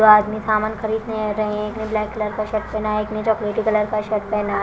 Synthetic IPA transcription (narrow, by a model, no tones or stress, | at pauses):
oaːd̪misaːmaːnkʰɐɾiːd̪neɾɐɦẽɦɛ̃ekneblɛːkːɐləɾkaʃɐʈpɛːnaːeknet͡ʃɔːkleːʈikːɐləɾkaʃɐʈpɛːnaː